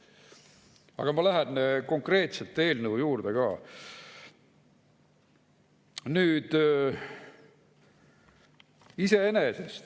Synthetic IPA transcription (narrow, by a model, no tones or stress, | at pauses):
ɑ̰ɡ̥ɑmɑlæɦenːko̞ŋkre̞ːt̪selt̪ːˑe̞ːlnəujuːrd̪̥eɡ̥ɑː | nyːd̪̥ | ise̞enesest̪